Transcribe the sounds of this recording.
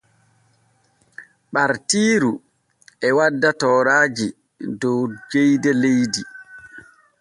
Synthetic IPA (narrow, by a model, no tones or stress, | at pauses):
ɓaɾtiːɾu | ɛwadːatɔːɾaːd͡ʒi | dɔwd͡ʒejdɛlejdi